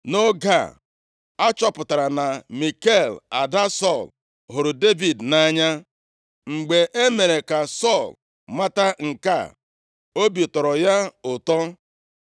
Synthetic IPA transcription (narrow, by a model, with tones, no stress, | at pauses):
no˦ɡa̰˦˨ | a˦t͡ʃɔ˦pʊ˨ta˨ɾa˨na˨mi˨ke˦˨la˨da˦sɔ˦˨l | ɦʊ˨ɾʊ˨de˦vi˨dna˦ɲa˦ | ŋ͡m̩˨ɡ͡be˨ʔe˦me˨ɾe˨ka˨sɔ˦˨l | ma˦ta˦ŋ̩˨ka̰˦˨ | o˦bi˨tɔ˨ɾɔ˨ja˦ʊ˨tɔ˦